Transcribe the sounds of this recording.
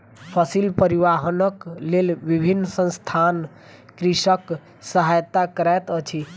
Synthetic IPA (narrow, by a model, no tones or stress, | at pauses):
pʰəsilpəɾiʋaɦənəklelbibʱinːsə̃nst̪ʰan | kɾisək | səɦajt̪akəɾajt̪ət͡ʃʰi